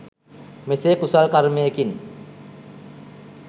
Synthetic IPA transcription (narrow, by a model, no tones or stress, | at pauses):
mesekusalkaɾmejekin